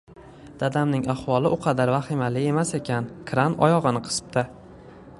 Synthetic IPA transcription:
d̪̥ad̪amnɪŋaχwɒlˠɪʔʊqʰɑd̪aɾvaχɪmalɪe̞mase̞kʲankʰɾanɒ̰jɒʁɨnɪqʰɨ̥sɨ̥pt̪ʰa

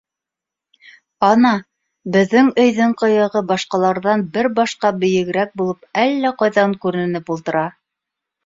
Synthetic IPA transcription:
ɑnɑ | bɘ̆ðːɘŋɵ̆jðɘɴqɤ̆jɤ̆ʁɤbɑʃqɑlˠɑɾðɑnbɘɾbɑʃqɑbɵ̆jɘ̆ɡɘ̆ɾæk̚bulˠɤpælːæqɑjðɑŋkʉɾɘ̆nɘ̆nɘpulˠt̪ɤ̆ɾɑ

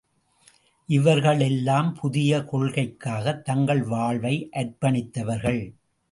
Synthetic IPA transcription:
ʔɪʋɐɾɣɐɭɛlːaːmpʰʊðɪjɐkɔɭɣɐɪkːaːɣɐt̪ːɐŋɡɐɭʋaːɭʋɐɪʔɐɾpɐɳɪt̪ːɐʋɐɾɣɐɭ

